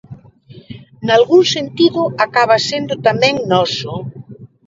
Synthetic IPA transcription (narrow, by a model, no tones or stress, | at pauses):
nalɣuŋsent̪iðʊakaβasend̪ʊt̪amɛ̃ŋnɔsʊ